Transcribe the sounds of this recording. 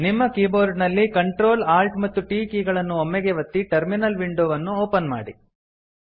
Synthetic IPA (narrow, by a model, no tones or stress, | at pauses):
nimːɐkiːboːɾɖnɐlːikɐɳʈɾoːlaːlʈmɐt̪ːuʈiːkiːɡɐɭɐnːuomːɛɡeʋɐt̪ːiʈɐɾminɐlʋiɳɖoːʋɐnːuoːpɐnma̰ːɽḭ